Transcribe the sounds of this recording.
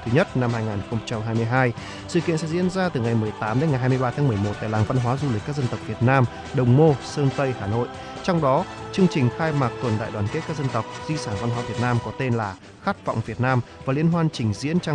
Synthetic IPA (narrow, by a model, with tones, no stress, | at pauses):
t̪ʰɨ˨˦ɲə˦˥t̚na˧mhaː˧jŋaː˨˩nxə˧wŋ͡mt͡ɕa˧mɦaː˧jm˧əjɦaː˧j | sɨ̰˧˨kḭ˧˨ənsɛ̰˧˥zḭ˧˥ənzaː˧t̪ɨ˨˩ŋa˨˩jm˨˩əjt̪aː˨˦mɗe˨˦nŋ˨˩jɦaː˧jmɨ˧jɓaː˧t̪ʰa˨˦mɨ˨˩jmo˨˩t̚t̪a̰ː˧˨laː˨˩ŋva˧nɦwaː˨˦zu˧li˨˩k̟kːk̚zə˧nt̪ə˨˩w̚k̚vi˨˩ət̚naː˧m | ɗə˨˩wŋ͡mmo˧səː˧nt̪ə˧jhaː˧˩no̰˧˨jʔ | t͡ɕɔ˧wŋ͡mɗɔ˨˦ | t͡ɕɨ˧əŋt͡ɕï˨˩ŋ̟xaː˧jmaː˨˩k̚t̪wə˨˩nɗa̰ː˧˨jwaː˨˩nke˦˥t̚kaː˦˥zə˧nt̪ə˨˩wk͡p̚zi˧saː˧˩nva˧nɦwaː˨˦vi˨˩ət̚naː˧mkɔ˨˦t̪e˧nlaː˨˩ | xaː˦˥t̚va̰˧˨wŋ͡mvi˨˩ət̚naː˧mvaː˨˩li˧˩ənɦwaː˧nt͡ɕï˨˩ŋ̟zḭ˧˥ənt͡ɕa˧